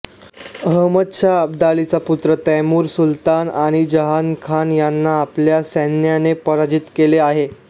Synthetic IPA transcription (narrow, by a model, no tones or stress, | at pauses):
ɦəmət̪ɕʰaəb̚d̪alit͡saput̪ɾət̪ɛmuːɾsult̪anaɽ̃id͡ʑəɦankʰanjanːaːpljasɛnjanepəɾad͡ʑit̪keleaɦe